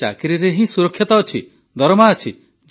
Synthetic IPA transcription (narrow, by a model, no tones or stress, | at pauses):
akiɾiɾeɦĩsuɾɔkʰːjit̪ɔːt͡ʃʰi | d̪ʱɔɾɔmaːt͡ʃʰi | d͡ʒ